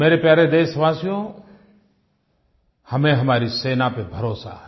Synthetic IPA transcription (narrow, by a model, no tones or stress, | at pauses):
meːɾepjaːɾed̪eːʃʋaːsijõ | hɐmẽɦɐmaːɾiseːnapebʱəɾoːsa̰ɦɛ